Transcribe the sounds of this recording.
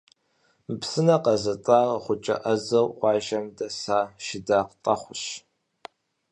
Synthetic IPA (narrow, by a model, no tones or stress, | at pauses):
psɨnɐqɐzɐt͡sʼaːrχʷʊt͡ʃʼɐ̰ʔɐzɐwqʷɑːʒɐmdɐsaːʃɪdaːqtʼɐχʷʊɕ